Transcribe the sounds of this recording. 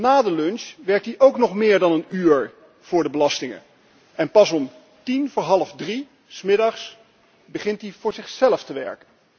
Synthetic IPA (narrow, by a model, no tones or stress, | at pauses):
naːdəlɵnʃʋɛɹk̚t̚diʔowknɔχmɪːɹdɑnənyːɹ | v̥ʊːɹdəbəlɑstɪŋə̰n | ɛnpɑsɔm | tinvʊːɹɦɑlˠəfdri | smɪdɑχs | bəχɪntivʊːɹzɪχsɛləftəʋɛ̰ɹkən